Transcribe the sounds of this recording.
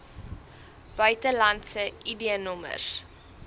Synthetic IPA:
b̥œɥtəlɐntsəʔidiənɔmə̰s

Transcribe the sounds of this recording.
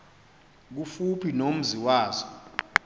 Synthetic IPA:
k̬ufupʰinom̩ziwaːzɔ

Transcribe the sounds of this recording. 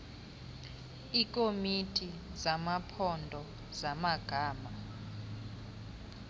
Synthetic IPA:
ik̬ʼomitʰʼizamapʰɔndʱɔ | zamaɡ̥ʱaːma

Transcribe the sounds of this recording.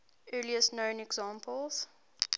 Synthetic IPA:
ɜːliəsnə̃ʊ̃nɛɡzɑ̃ːmpʰəlˠz̥

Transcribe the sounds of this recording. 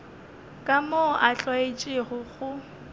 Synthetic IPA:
kʼamoʔaɬwaet͡ʃʼɪɣʊɣʊ

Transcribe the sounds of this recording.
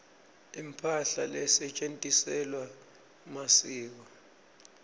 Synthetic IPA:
impʰaɬalɛsɛt͡ʃʼentʼisɛlwa | masiːk̬ɔ

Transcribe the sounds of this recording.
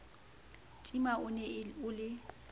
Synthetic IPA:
tʼimaʊnɛʊlɪ

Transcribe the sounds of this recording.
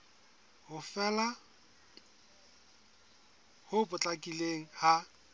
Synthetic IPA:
hʊfɛla | hʊbʊt͡ɬʼakʼileŋ̩ha

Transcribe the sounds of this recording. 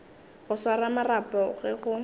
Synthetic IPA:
ɣʊswaramarapɔɣɛɣʊ

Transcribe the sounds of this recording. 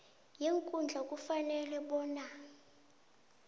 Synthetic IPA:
jeŋkʼund͡ɮʱakʼufanɛlɛɓɔːna

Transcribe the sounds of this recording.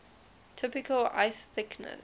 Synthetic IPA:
tʰɪpɪkʰəla̰ɪsθɪknə̰

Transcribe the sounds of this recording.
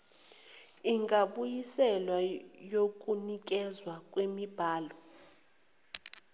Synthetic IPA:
iŋɡʱʼaɓujisɛlwajok̬ʼunik̬ʼɛzwakʼwemib̥ʱaːlɔ

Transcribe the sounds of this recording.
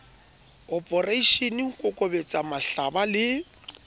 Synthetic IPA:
ɔpʼɔraiʃeniŋ̩kʼʊkʼobet͡sʼamaɬabalɪ

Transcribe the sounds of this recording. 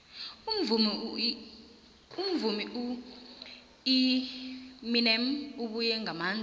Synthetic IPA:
um̩vum | um̩vumiʔu | i | minɛmuɓujɛŋʱamaːn

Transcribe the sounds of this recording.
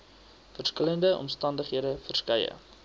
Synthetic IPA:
fərskələndəʔɔ̰mstɐndəχɦiədəfərskəjə̰

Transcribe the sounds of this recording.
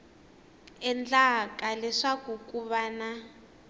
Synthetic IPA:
ɛnd͡ɮakʼalɛʂakukuβana

